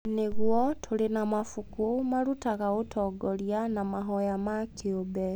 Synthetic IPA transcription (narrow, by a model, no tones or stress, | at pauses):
neɣwɔtʰoɾenamafukumaɾutaɣaotʰɔɡɔɾjanamaɦɔjamakeobɛ